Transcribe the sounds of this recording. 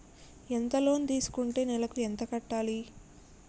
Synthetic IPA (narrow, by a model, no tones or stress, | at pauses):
ent̪ɐlo̞ːnid̪iːsu̥kuɳʈeːnɛlɐkuent̪ɐkɐʈːaːli